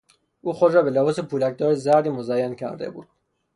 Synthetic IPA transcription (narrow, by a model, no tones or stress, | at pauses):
ʔuːxod̪ɾɒːbelebɒːsepʰuːlæk̚d̪ɒːɾezæɾd̪iːmozæjːæncʰæ̰ɾd̪e̞̰bṵːd̪̥̚